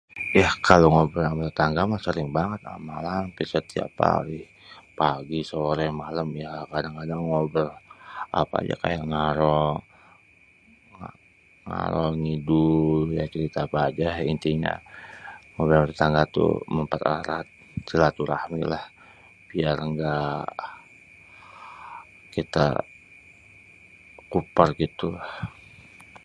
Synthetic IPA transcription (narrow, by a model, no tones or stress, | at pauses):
jahkaloŋobərambəɾət̪aŋɡamasəɾɪŋbaŋət̪̚a̰malampisərt̪ia̰pa̰ɾɪh | paɡisəɾɛmaləmjakadaŋkadaŋːobəra̰pa̰d͡ʒa̰ka̰ja̰ʔŋaɾɔ | ŋa | ŋa̰ɾɔŋidujat͡ʃəɾit̪aːpaːd͡ʒaint̪iɲa̰ | ŋobəlməɾit̪aŋɡat̪ṵməmpat̪aɾat̪̚t͡ʃəlat̪uɾahmilah | b̥iaɾŋɡa | kit̪a̰ | kupərɡit̪ulah